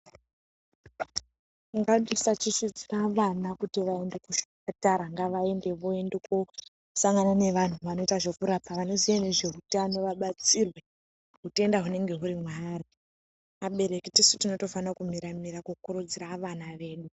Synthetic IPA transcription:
ŋɡaɗisat͡ʃiʃid͡ziraʋanakutiʋae̞nde̞kuʃu̥kataɾaŋɡaʋae̞nde̞ʋoe̞ndeko | saŋɡanane̞ʋan̤uʋano̞itaʐe̞kuɾapaʋano̞zijane̞ʐe̞ɦutano̞ʋaɓat͡sirwe̞ | ɦute̞ndaɦune̞ŋɡe̞ɦuɾimwaːri | aɓe̞ɾe̞kitisutino̞to̞fanakumiɾamiɾakukuɾud͡ziraʋanaʋe̞ːɗu

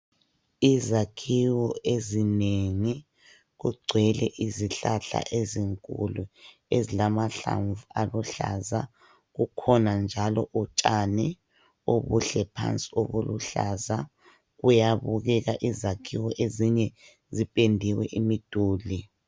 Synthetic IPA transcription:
izakʰiwɔezineŋi | ɣuɡ͡ǀʱwɛlɛʔiziɬaɬa̰ʔeziŋkʼulu | ezilamaɬa̰ɱvualuɬa̰za | ɣukʰɔnand͡ʒʱalɔʔut͡ʃʼanɛ | oβuɬɛpʰa̰nt͡sʼi̥oβuluɬaza | ɣujaβuɣɛɣaʔizakʰiwɔʔeziɲɛ | zipʼendʱiwɛʔimid̥ʱuːli

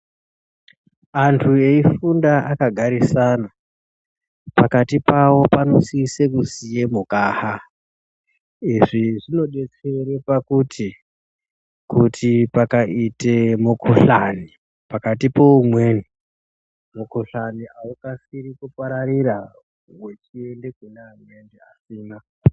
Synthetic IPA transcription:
antʰue̞ifundaakaɡʱaɾisaːna | pakatipawo̞pano̞sisekusijemukaːha | iʐiʐino̞ɗe̞t͡se̞ɾe̞pakutʰi | kutʰipakaʔitemukʰoɬani | pakatipo̞umwe̞ːni | mukoɬaniaukasirikupaɾaɾiɾa | we̞t͡ʃie̞nde̞kunamwendeasiːna

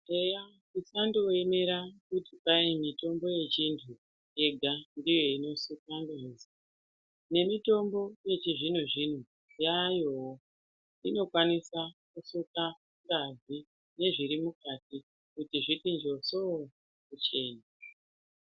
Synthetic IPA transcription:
eja | isandoweme̞ɾakutipaimito̞mbo̞je̞t͡ʃintʰu | je̞ɡʱandijo̞ino̞sukandoiza | ne̞mito̞mbo̞je̞t͡ʃiʐin̤uʐin̤u | jajo | ino̞kwanisakusuka | ŋɡazi | ne̞ʐiɾimukat̚i | kutiʐitind͡ʒo̞so | kut͡ʃe̞ːna

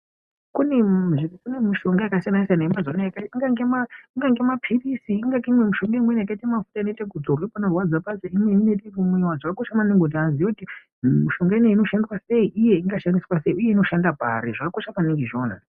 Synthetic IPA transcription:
kuneʐikikunemiʃo̞ŋɡaakasijanaasijanaimbad͡zanajakaiŋɡaŋɡemaiŋɡaŋɡemapʰirisiːŋɡakimwemiʃo̞ŋɡaimwenejakaitemafu̥taineitekud͡zorwepanarwad͡zapaseimweinetekumwewad͡zakakoʃamaneŋɡontianzijokuti | miʃo̞ŋɡaineino̞ʃandwase̞iʔije̞iŋɡaʃandiswase̞iuje̞ino̞ʃandabʱa̰ɾḭʐakakoʃapaniŋɡiʐona̰

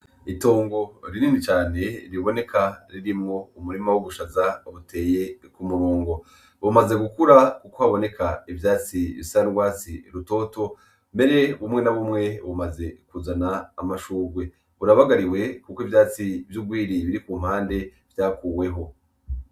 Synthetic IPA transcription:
ito̞ːŋɡo̞ɾiniːnit͡ʃaːne̞ɾiβo̞ne̞kʰaɾiɾimŋo̞umuɾimawoɡuʃazaoβutʰe̞ːje̞kumuɾoːŋɡo̞ | βumaze̞ɡukuɾakukohaβo̞ne̞kʰaivjaːt͡siβḭsaɡwaːt͡sḭɾuto̞ːto̞ | mbe̞ɾe̞βumŋe̞naβumŋe̞βumaze̞kuzanaːmaʃuːɡwe̞ | βuɾaβaɡaɾiwe̞kukoivjaːt͡sivjuɡɡwiːɾiβiɾikuːm̥haːnde̞ | v̥jaːkuːwe̞ɦo̞

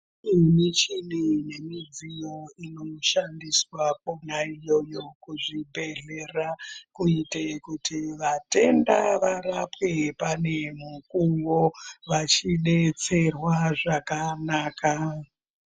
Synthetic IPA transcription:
init͡ʃinine̞mid͡zijo̞inoʃandiswak̚onaijo̞jo̞kuʐibʱe̞ɮe̞rakuitekutʰiʋate̞ndaʋaɾapwepane̞mukuŋɡoʋat͡ʃiɗe̞t͡se̞rwaʐakanaːka

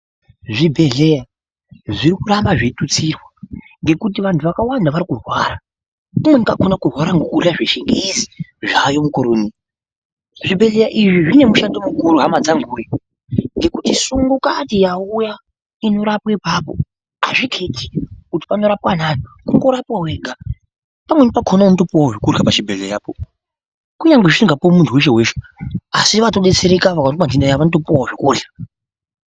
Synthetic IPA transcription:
ʐibʱe̞ɮe̞ja | ʐirikurambaʐitut͡sirwa | ŋɡe̞kut̬iʋantʰuʋakawandaʋaɾikurwaːɾa | umweŋkɡakonakurwaɾaŋɡuɬaʐiʃeŋɡizi̥ʐajo̞mukoɾoːnia | ʐibʱe̞ɮe̞jaʔiʐiʐine̞muʃandomukuɾuɦamad͡zaŋɡuːje | ŋɡe̞kutisuŋɡukatijauja | ino̞ɾapwaipapo̰ | ɦa̰ʐikʰetʰi̥kuti̥pano̞ɾapwanano | kuŋɡo̞ɾapwaɦweːɡʱa | pamwenipakʰonaʋanotopiwawoʐikurɡapaʃibʱeleajaːpo | kuɲaŋɡeʐiiŋɡapomuntʰuwe̞ʃ̬eɦweːʃe | asiʋato̞ɗet͡seɾekaʋakatkwand͡ʒindajaʋanoto̞puwawʐikuːrɬa

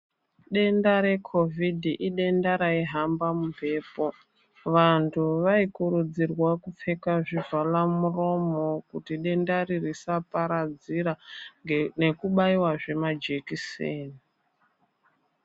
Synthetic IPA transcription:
ɗe̞ndaɾe̞kʰo̞vʱidʱiʔiɗe̞ndaɾaiɦambamupe̞ːpo | ʋantʰuʋaikuɾud͡zirwakup͡fe̞kaʐivalamuro̞mo̞kutiɗe̞ndaririsapaɾad͡ziɾa | ne̞kuɓaiwaʐe̞mad͡ʒekiseːni

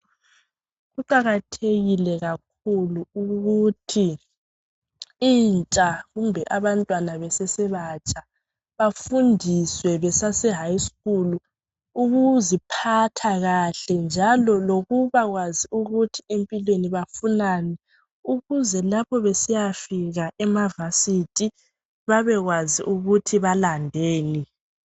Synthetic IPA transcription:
ɣuǃaɣatʰeɣilɛɣak̚ʰuluuɣutʰi | int͡ʃʼaɣumbʱɛʔaβantʼwanaβɛsɛsɛβat͡ʃʼa | βafundʱiswɛβɛsasɛɦajiskuluː | ɣuzipʰatʰaɣaɬɛnd͡ʒʱalɔloɣuβaɣwaziuɣutʰiempʼilweniβafunanɛ | uɣuzɛlapʰɔβesijafiɣaʔɛmavasitʼi | βaβɛɣwaziʔuɣutʰiβalandʱeːni

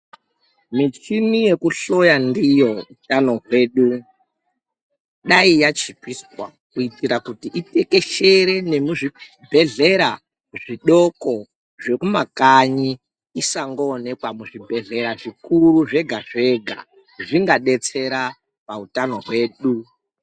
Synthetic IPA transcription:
mit͡ʃimije̞kuɬo̞jandijo̞utano̞ɦwe̞ːɗu | ɗaijat͡ʃipiswa̰ | kuitiɾakutiʔite̞ke̞ʃe̞ɾe̞ne̞muʐi | bʱe̞ɮe̞ɾa | ʐiɗo̞ko̞ | ʐe̞kumakaɲiː | saŋɡoːne̞kwamuʐibʱe̞ɮe̞ɾaʐikuɾuʐe̞ɡʱaʐe̞ɡʱa̰ | ʐiŋɡaɗe̞t͡se̞ɾa | pautano̞ɦwe̞ːɗu

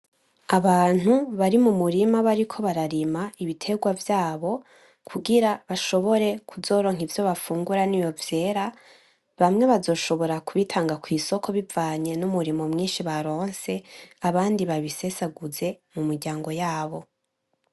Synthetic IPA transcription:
aβaːn̥huβaɾimumuɾimaβaɾikʰo̞βaɾaɾimaiβitʰe̞ɡwavjaːβo̞ | kʰuɡiɾaβaʃo̞βo̞ɾe̞kʰuzo̞ːɾo̞ŋ̥hivjo̞βafuːŋɡuɾanijo̞vje̞ːɾa | βamŋe̞βazo̞ːʃo̞βo̞ɾakuβitʰaːŋɡakwiːso̞kʰo̞βivaːɲe̞numuɾimo̞mŋiːnʃiβaɾo̞ːnse̞aβaːndiβaβise̞saɡuze̞mumiɾɟaːŋɡo̞jaːβo̞

